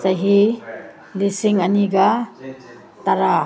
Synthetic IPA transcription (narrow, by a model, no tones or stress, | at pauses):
saɦi | lisiŋɐniɡa | t̪aɾa